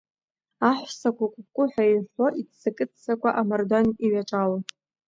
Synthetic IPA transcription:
aħʷsakʷʰakʷʼʊp̚kʷʼʊħʷᶣaiħʷoʔitsakʼɨt͡sʰt͡sakʷʰaʔamardoniɥaʈ͡ʂʼala

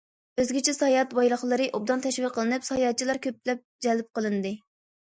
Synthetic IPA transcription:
øzɡʲɪt͡ʃʰɛsɑjɑt̪bɑjlˠəχlˠɨɾɨʔub̚d̪ɑnt̪ʰɛʃwilqʰəlˠɨnɨpsɑjɑt̪̚t͡ʃʰilˠɑɾkʲʰøp̚lɛp̚d͡ʒɛlp̚qəlˠɨnɨd̪ɨ

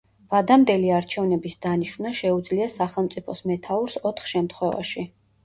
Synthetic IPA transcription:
v̥ad̪amd̪ɛliaɾt͡ʃʰɛvnɛbisd̪aniʃvnaʃɛud̪zliasaχɛlˠmt̪sʼipʰɔsmɛt̪ʰauɾsɔt̪ʰχʃɛmt̪ʰχwɛva̰ʃi

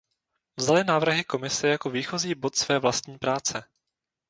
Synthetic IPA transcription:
vzalɪnaːvr̩ɦɪko̞mɪsɛjako̞viːxoziːbo̞t̪svɛːvlast̪ɲiːpɾaːt͡sɛ

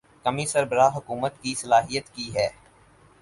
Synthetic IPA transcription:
kɐmisɐɾbəɾaːɦʊkuːmət̪kisɐlaːɦijət̪kiɦɛː

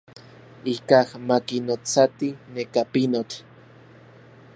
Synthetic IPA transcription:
ikahmakinot͡sat̪inekapinot͡ɬ

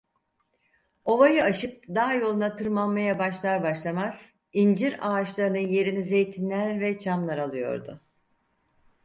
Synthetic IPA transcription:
o̞vajɯaʃɯp̚d̪aɦajo̞lˠunat̪ʰɯɾmanmajabaʃlˠaɾbaʃlˠamaz̥ | ind͡ʒiɾaːt͡ʃlˠaɾɯnɯje̞ɾinize̞jt̪ʰinlʲæɾvɛt͡ʃʰamlˠaɾalˠɯjo̞̰ɾd̪ʊ̰

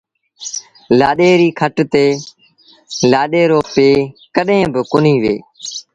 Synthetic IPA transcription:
laːɗeːɾiːkʰəʈt̪eː | laːɗeːɾoːpeːkəɗɦẽːbɪkʊniːʋeː

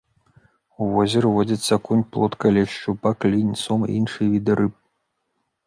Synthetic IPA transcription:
uvɔzʲɛɾɨvɔd͡zʲɐt̪sʲːɐkunʲplˠɔt̪kɐlʲɛʂt͡ʃupaklʲinʲsɔmḭnʂɨjvʲid̪ɨɾɨp̚

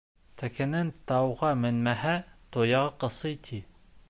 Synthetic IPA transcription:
t̪ʰækɘ̆nɘnt̪ɑwʁɑmɘ̆nmæɦæt̪ojɑʁɑqɤ̆sɤjt̪ʰi

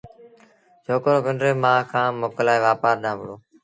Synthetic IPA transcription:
t͡ʃʰoːkɾoːpəɳɾeːmãːkʰãːmoːkəlaːiʋaːpaːɾɗ̪ãːʋʊɽoː

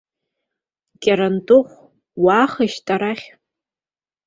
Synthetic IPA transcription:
kʲʼaɾantʼʊχʷ | waːχəʃtʼaɾaχʲ

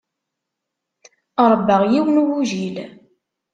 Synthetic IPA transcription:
ɾˤəbːəʁjiwənuwuʒil

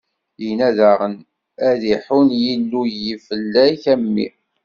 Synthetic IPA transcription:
jinæðæʁən | æðiħunjilːujifəlːæçæmːḭ

